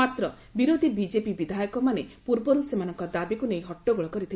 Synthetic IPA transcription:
mat̪ɾɔ | biɾod̪ʱibid͡ʒepibid̪ʱajɔkɔmanepuɾbɔɾusemanɔŋkɔd̪abikunejɦɔʈːoɡuɭɔkɔɾit̪ʰi

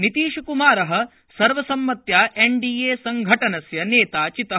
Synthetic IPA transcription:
nit̪iːʃɐkumaːɾɐɦɐ̆ | sɐɾʋɐsɐmːɐt̪jaːʔeɳɖiːeːsɐŋɡʱɐʈɐnɐsjɐneːt̪aːt͡ʃit̪ɐ

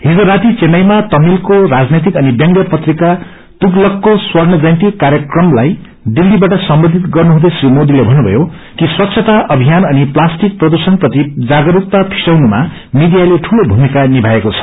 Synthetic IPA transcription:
ɦid͡zoɾat̪it͡senʌjmat̪ʌmilkoɾad͡znet̪̬ikʌnibjʌŋɡjʌpʌt̪rika | t̪uɡlʌkːoswʌrnʌd͡zʌjnt̪ikːaɾjʌkrʌmlaj | d̪ilːibaʈʌsʌmbʌnd̪ʱit̪ɡʌrnuɦũd̪esrimod̪ilebʱʌnːubʱʌ̰jokiswʌkt͡ʃʰʌt̪aʔʌbʱijanʌniplasʈik̚prʌd̪usʌnprʌt̪id͡zaɡʌɾuk̚t̪apʰi̥sʌwnuma | mid̪ijaleʈʰulobʱumikanibʱaekot͡sʰʌ̥

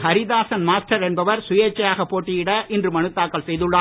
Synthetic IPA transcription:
ɦɐɾɪðaːsɐnmaːsʈɐɾɛnbɐʋɐɾsʊjeːɾt͡ʃːɐjaːɣɐpːoːʈːɪjɪɽɐʔɪndrɯmɐnɯt̪ːaːkːɐɭsɛjðɯɭːaː

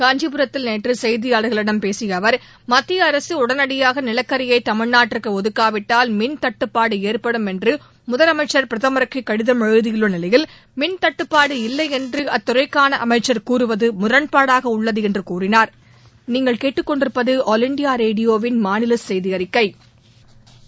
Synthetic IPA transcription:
kaːɲd͡ʒipɯɾɐt̪ːɪlneːʈrɯsɛjðɪjaːɭɯɣɐɭɪɽɐmpeːsɪjɐːʋɐɾ | mɐt̪ːɪjɐːɾɐsɯʊɽɐnɐɽɪjaːɣɐnɪlɐkːɐɾɪjɐɪt̪ɐmɪɻnaːʈːɪɾkːɯɔðɯkːaːʋɪʈːaːlmɪnt̪ɐʈːɯpːaːɽɯeːɾpɐɽɯmɛndrɯ | mʊðɐlɐmɐɪt͡ʃːɐɾpɪɾɐðɐmɐɾɐkːɐkːɐɽɪðɐmɐɻɯðɪjɪlonɪlɐjɪl | mɪnt̪ɐʈːɯpːaːɽɯɪlːɐɪɛndrɯɐt̪ːʊɾɐɪkːaːnɐʔɐmɐɪt͡ʃːɐɾkuːrɯʋɐðɯmʊɾɐɳpaːɽaːɣɐʊɭːɐðɯɛndrɯkuːrɪnaːɾ | niːŋɡɐɭkeːʈːɯkːɔɳɖɪɾɯpːɐðɯʔoːlɪɳɖɪjaːɾeːɽɪjoːʋɪnmaːnɪlɐsːɛjðɪjɐɾɪkːɐɪ

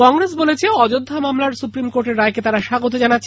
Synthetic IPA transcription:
kɔŋɾesbolet͡ɕʰeɔd͡ʑod̪ʱːamamlaɾsupɾimkoɾʈeɾːaeket̪aɾaʃaɡot̪̬od͡ʑanaːt͡ɕʰ

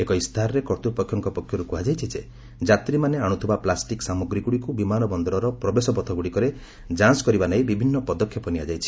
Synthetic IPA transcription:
ekɔist̪ʰaɾɾekɔɾt̪upɔkʰːjɔŋkɔpɔkʰːjɔɾukuɦad͡ʒajt͡ʃʰid͡ʒe | d͡ʒat̪ɾimaneaɽ̃ut̪ʰibaplasʈiksamuɡɾikuɽikubimanɔbɔnd̪ɔɾɔɾɔpɾɔbesɔbɔt̪ʰɔɡuɽikɔɾe | d͡ʒansɔ̥kɔɾibanaĩbibʱinːɔpɔd̪ɔkʰjɔpɔniad͡ʒajt͡ʃʰi̥

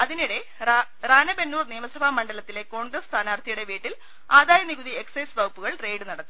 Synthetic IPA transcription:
ɐðiniɽe̞ | raːnɐbe̞nːuːrnijɐmɐsɐbʱamɐɳɖɐlɐt̪ːile̞ko̞ːɳɡɐst̪ʰaːnaːrt̪ʰijuɽe̞ʋiːʈːil | aːðaːjɐniɡuðie̞ksɐjsbɐɣupːuɣɐɭre̞jɖɨnɐɽɐt̪ːi

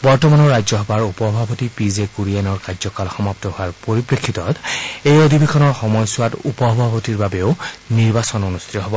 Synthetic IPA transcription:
bɔɹtɔmanɔɹazɔɦɔbaɹupɔbʱabotipizekuɹienɔɹkazɔkalxɔmap̚tɔhʊaɹpoɹipɹekʰːitɔtejodʱibʱekʰɔnɔɹxɔmɔjsʊwatupɔbʱabotiɹbabeʊniɹbasɔnunust̪ʰitɔɦɔbɔ

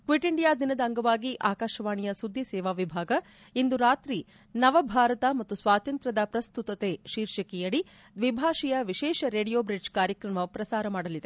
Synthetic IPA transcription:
kʋiʈiɳɖijaːd̪inɐd̪ɐɐŋɡɐʋaːɡiʔaːkaːʃɐʋaːɳijɐsud̪ʱːisɛːʋaːʋibʱaːɡɐ | ind̪uɾaːt̪ɾi | nɐʋɐbʱaːɾɐt̪ɐmɐt̪ːusʋaːt̪ɐnt̪ɾɐd̪ɐpɾɐst̪ut̪ɐt̪eʃiːɾʃɐkijɐɽi | d̪ʋibʱaːʂijɐʋiʃɛːʃɐɾeːɽijoːbɾid͡ʒkaːɾjɐkɾɐmɐpɾɐsaːɾɐmaːɽɐlid̪e

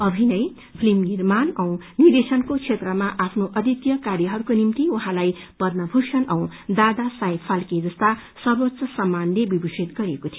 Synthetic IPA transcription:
ʌbʱinʌj | pʰlimnirmanaw̃nird̪esʌnkot͡sʰet̪rʌmaʔapʰnoʔʌd̪ʱikjʌkarjʌɦʌɾukonimt̪iuɦãlajpʌrnʌbʱusʌnaw̃d̪ad̪asajpʰalked͡zʌst̪asʌrwʌt̪sʌsʌmːanlebjibisit̪ɡʌɾekot̪ʰijo

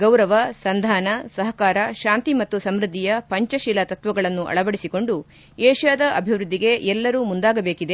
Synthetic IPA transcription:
ɡɐwɾɐʋɐsɐnd̪ʱaːnɐsɐɦɐkaːɾɐʃaːnt̪imɐt̪ːusɐmɾid̪ʱːijɐpɐɲt͡ʃɐʃilɐt̪ɐt̪ʋɐɡɐɭɐnːuʔɐ̰ɭɐbɐɽisiko̞ɳɖu | eːʃjaːd̪ɐʔɐbʱiʋɾud̪ʱːiɡe̞ʔɛlːɐɾuːmund̪aːɡɐbe̞ːkid̪e

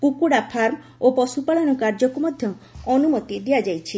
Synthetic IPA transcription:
kukuɽapʰaɾm | opɔsupaɭɔnɔkaɾd͡ʒɔkumɔd̪ʱjɔɔnumɔt̪id̪iad͡ʒajt͡ʃʰi

